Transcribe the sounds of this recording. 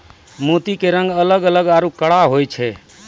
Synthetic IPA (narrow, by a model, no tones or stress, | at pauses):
mot̪ikeɾəŋɡələɡələɡaɾukəɽaɦojt͡ʃʰɛ